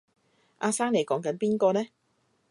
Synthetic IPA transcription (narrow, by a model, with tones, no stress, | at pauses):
ʔaː˧saː˥ŋle˨jkɔː˨˥ŋkɐ˨˥npiː˥nkɔː˧nɛː˥